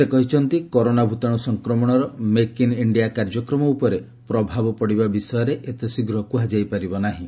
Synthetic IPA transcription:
sekɔɦit͡ʃʰɔnt̪ikɔɾonabʱut̪ɔɽ̃ɔsɔŋkɾɔmɔɽ̃ɔɾɔmekiniɳɖijakaɾd͡ʒɔkɾɔmɔupɔɾe | pɾɔbʱabɔpɔɽibabisɔjɔɾeʔet̪esiɡɾɔɦɔkuɦad͡ʒajpaɾibɔnaɦĩ

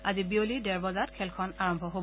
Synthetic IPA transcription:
azibiolidɛɹbɔzatkʰɛlkʰɔnaɹɔmbʱɔɦo

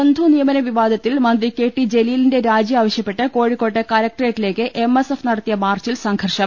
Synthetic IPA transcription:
ɐnd̪ʱunijɐmɐnɐʋiʋaːd̪ʱɐt̪ːilmɐnd̪rike̞ːʈːid͡ʑe̞liːlinde̞ɾaːd͡ʑjɐaːʋɐɕjɐpːeʈːɨko̞ːɻikːoːʈːɐkɐlɐk̚ʈɐreːʈːile̞ːkːɨʔe̞mesefnɐɽɐt̪ːijɐmaːrt͡ɕilsɐŋɡʱɐrʂɐm

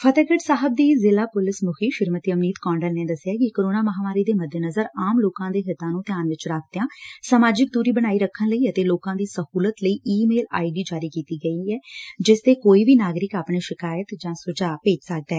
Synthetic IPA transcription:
pʰət̪ɛːkəʈsaːɦəb̚d̪iːzɪlaːpʊlɪsmʊkʰiːʃɪɾmət̪iːəmniːt̪kɔ̃ːɳɖəlneːd̪əsɪjaːkɪkoːɾoːnaːməɦaːmaːɾiːd̪eːməd̪ʱjənəzəɾaːmloːkãːd̪eːɦɪt̪ãːnũːt̪ɪjaːnʋɪt͡ʃɾaːkʰd̪̥jãːsaːmaːd͡ʒɪk̚d̪uːɾiːbəɽ̃aːiːɾəkʰːənləiːət̪eːloːkãːd̪iːsəhuːlət̪ləiːʔiːmeːla̰ːiɖiːd͡ʒaːɾiːkiːt̪iːɡəiːɛːd͡ʒɪst̪eːkoːiːbiːnaːɡɾɪkaːpɳeːʃɪkaːjət̪d͡ʒãːsʊd͡ʒaːpeːd͡ʒsək̚d̪ɛː

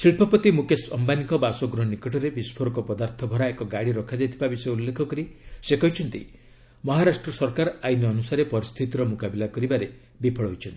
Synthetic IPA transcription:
siɭpʰɔpɔt̪imukesɔmbanikɔbasɔɡɾɔɦɔnikɔʈʰɔɾebispʰoɾɔkɔpɔd̪aɾt̪ʰɔbʱɔɾaekɔɡaɽiɾɔkʰad͡ʒajt̪ʰi̥pabiseulːekʰɔkɔɾisekɔɦit͡ʃʰɔnt̪ḭ | mɔɦaɾasʈɾɔsɔɾkaɾajnɔːnusaɾepɔɾist̪ʰit̪iɾɔmukabilakɔɾibaɾe | bipʰɔɭɔɦojt͡ʃʰɔnt̪i

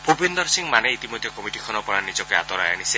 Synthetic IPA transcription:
bʱobind̪ɔɾsiŋmaneit̪imɔd̪ʱjɔkɔmiʈikʰɔnɔpɔɽanid͡ʒɔkɔa̰t̪ɔɾajanise

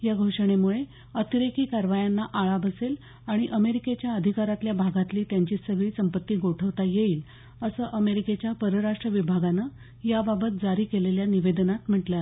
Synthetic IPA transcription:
jaɡʱoʂəɳ̃emuɭe | ət̪iɾekiːkaɾʋajanːaʔaɭabəsel | aɽ̃iʔəmeɾiket͡ɕjaəd̪ʱikaɾat̪ljabʱaɡat̪liːt̪jaɲt͡ɕiːsəɡɭiːsəmpət̪ːiːɡoʈʰəʋt̪ajeiːl | əsəːʔəmeɾiket͡ɕjapəɾəɾaʂʈɾəʋibʱaɡanə | jababət̪̚d͡zaɾiːkeleljaniʋed̪nat̪m̤əʈla

